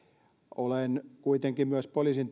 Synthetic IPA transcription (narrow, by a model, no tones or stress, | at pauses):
olenkuit̪eŋkimyæspoliːˑsint̪